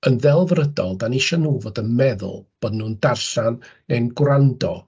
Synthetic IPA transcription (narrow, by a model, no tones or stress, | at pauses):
ənðɛlˠvrədɔlˠdaniʃɔnuːvoːdənmɛðʊ̰lˠb̥oːdnuːndarɬan | ɛnɡwrandɔ̰